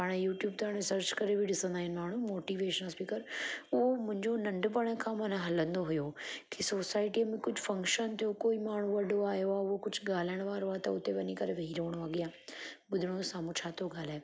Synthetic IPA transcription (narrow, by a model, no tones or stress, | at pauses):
paːɽ̃juːʈjuːb̚t̪aːɽɪsəɾt͡ɕkɐɾebʱiɗɪsə̃nd̪aːɦɪn̆maːɳ̤ũmoːʈiːʋeːʃənəspiːkəɾʊɦomʊ̃ɦɪ̃ɲd͡ʑonɐ̃ɳɖpɐɽ̃ə̃kʰãːmɐnãɦɐlə̃nd̪oɦʊjokʰisoːsaːɪʈimẽkʊd͡ʑʱʊfɐ̃ŋkʃənt̪ʰijokoːimaːɳ̤ũʋɐɖoaːɦijoaːʊɦokʊd͡ʑʱʊɠaːlaɪɽ̃ʋaːɾoaːt̪ɐʊt̪eʋɐɲikɐɾeʋɐɦiɾoːɽ̃oaːɡɪjãːɓʊd̪ʱɪɽ̃osaːmũt͡ɕʰaːt̪ʰoɡaːlaː